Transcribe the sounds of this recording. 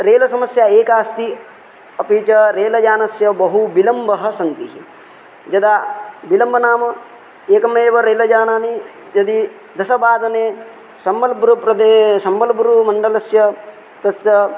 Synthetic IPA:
ɾeːlɐsɐmɐsjaeːkaːst̪i | ɐpiːt͡ʃɐɾeːlɐd͡ʒaːnɐsjɐbɐɦubilɐmbɐɦɐ̆sɐnt̪iɦi | d͡ʒɐd̪abilɐmbʱɐnaːmɐ | eːkɐmeːʋɐɾeːlɐd͡ʒaːɳaːni | d͡ʒɐd̪i | d̪ɐsɐbaːd̪ɐneː | sɐmbɐlbɾupɾɐd̪esɐmbɐlbɾumɐɳɖɐlɐsjɐ | t̪ɐsjɐ

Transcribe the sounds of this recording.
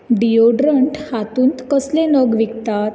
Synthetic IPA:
ɖijoɖɾəɳʈhat̪uːnt̪kəslẽnəɡʋikt̪at̪

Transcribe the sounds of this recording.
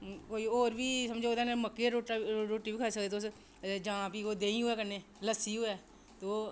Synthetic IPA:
koːiːoːɾbiːsəmd͡ʒeoːd̪eːneməkːeɾoʈaɾoːʈiːbiːkʰaːsəkd̪eːt̪os | d͡ʒãːpiːkoːd̪eːĩɦoeːkəneːləsiːɦoɛː | t̪o

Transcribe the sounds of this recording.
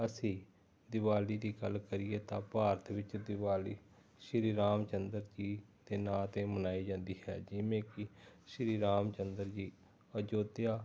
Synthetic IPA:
əsĩː | d̪ɪʋaːliːd̪iːɡəlkəɾieːt̪ãːpaːɾət̪ʰʋɪt͡ʃd̪ɪʋaːliː | ʃɾiːɾaːmt͡ʃənd̪əɾd͡ʒiːd̪eːnaːt̪ẽːmənaːiːd͡ʒãːnd̪iːɦɛ̰ːd͡ʒɪʋẽːkɪʃɾiːɾaːmt͡ʃənd̪əɾd͡ʒiː | əd͡ʒoːt̪ejaː

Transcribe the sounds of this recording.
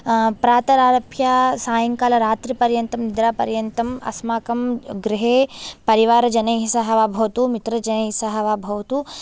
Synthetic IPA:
pɾaːt̪ɐɾaːɾɐpʰjaːsaːjɐŋkaːlɐɾaːt̪ɾipɐɾjɐnt̪ɐmnid̪ɾaːpɐɾjɐnt̪ɐmɐ̰smaːkɐmɡɾiɦeːpɐɾiʋaːɾɐd͡ʒɐnɐjɦisɐɦɐʋaːbʱɐʋɐt̪umit̪ɾɐd͡ʒɐnɐjsɐɦɐʋaːbʱɐʋɐt̪u

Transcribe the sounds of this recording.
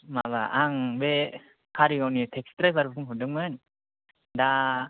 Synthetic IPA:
maβa̰ʔaŋbe | kʰaɾiɡawnitʰekstɾajbaɾbapʰɯŋɦɯdɯŋmɯn | da

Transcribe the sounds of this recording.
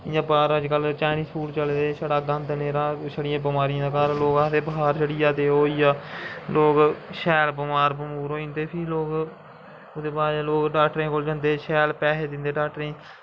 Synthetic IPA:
ɪjãːbaːɾəd͡ʒkəlt͡ʃaːniːspʰuːʈt͡ʃəlːd̪eːʃəɽaːɡə̃nd̪neːɾãːsəɽɪjãːbɪmaːɾijãːkalloːkaːt̪eːbəɦaːɾd͡ʒəɽiːaːt̪eːɦoːiːaːloːkʃɛːlbəmaːɾbəmuːɾoːĩnd̪eːpʰɪːloːk | ʊd̪eːbaːdloːkɖaːkʈɾẽːkʰold͡ʒə̃nd̪eːʃɛːlpɛːseːd̪ɪnd̪eːɖaːkʈɾẽː

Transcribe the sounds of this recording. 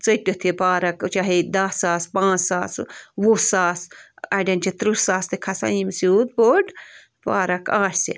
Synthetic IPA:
t͡sɐʈːut̪ʰipaːɾɐkt͡ʃaɦid̪ɐsaːspãːt͡ssaːsʋusaːsɐɖʲɐnt͡ʃit̪ɾusaːst̪ekʰɐsa̰imsuːd̪̚boːʈ | paːɾɐkaːʈʰsḛ

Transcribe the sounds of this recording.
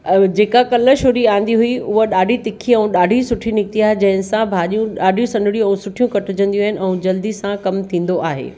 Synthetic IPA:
d͡ʑeːkakɐləʃoːɾiaːɦɪ̃n̆d̪iɦuiʔʊɦəɗaːɖʱit̪ɪkʰiɛ̃ũɗaːɖʱisʊʈʰinɪkt̪iaːɦed͡ʑɐ̃ɦɪ̃nɪ̆sãbʱaːʄijũɗaːɖʱijũsɐ̃nɖ̪ɪɽijũɛũsʊʈʰijũkɐʈʊd͡ʑə̃nd̪ijuaːɦɪnɪ̆ʔɛ̃ũd͡ʑɐld̪isãkɐmt̪ʰĩːn̆d̪oʔaːɦḛː

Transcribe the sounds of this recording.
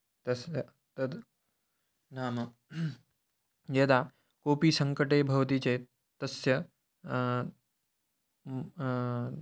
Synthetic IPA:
t̪ɐs | t̪ɐd̪ | naːmɐ | jeːt̪a | koːpiːsɐ̃ŋkəʈeːbʱɐʋt̪̬iːt͡ɕeː | t̪ɐsjɐ

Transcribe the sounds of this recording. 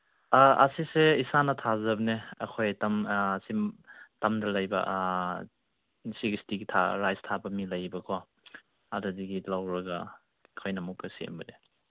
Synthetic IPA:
aɐ̰siseisanɐtʰazɐbɐneɐ̰kʰojtɐmsimtɐmdɐlɐjbɐ̰ | siɡistiɡitʰaɾajstʰabɐmilɐjbɐkʰo | adɐdiɡilawɾɐɡa | kʰojnɐmukːɐsḛmbɐde

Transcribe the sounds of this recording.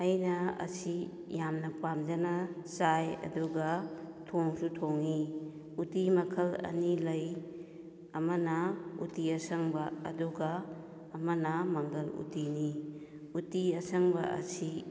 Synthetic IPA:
ɐjnɐɐ̰si | jamnɐpamd͡ʒɐnɐsajɐ̰duɡɐtʰoŋsutʰoŋi | utimɐkʰɐlɐ̰nilɐj | ɐmɐnɐṵtiɐsɐŋbɐɐ̰duɡɐː | mɐnɐmɐŋɡɐlṵtini | utiɐsɐŋbɐʔɐ̰si

